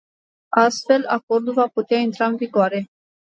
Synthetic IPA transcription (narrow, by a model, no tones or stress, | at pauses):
ast̪fe̞la̰ko̞rd̪ulvaput̪eaint̪ɾaɨnviɡoaɾe̞